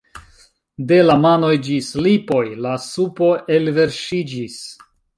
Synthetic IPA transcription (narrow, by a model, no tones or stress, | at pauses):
de̞lamano̞jd͡ʒislipo̞jlasupo̞ʔe̞lve̞ɾʃid͡ʒis